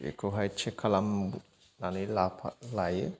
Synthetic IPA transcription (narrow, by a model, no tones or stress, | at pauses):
ḛkoɦat͡ʃʰekʰɐlamu | nanulapʰalaje